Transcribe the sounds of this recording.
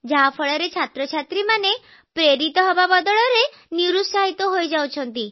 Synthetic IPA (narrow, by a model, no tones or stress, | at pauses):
d͡ʒaɦapʰɔɭɔɾet͡ʃʰat̪ɾɔt͡ʃʰat̪ɾimane | pɾeɾit̪ɔɦɔbabɔd̪ɔɭɔɾe | niɾusaɦit̪ɔɦojd͡ʒawt͡ʃʰɔnt̪i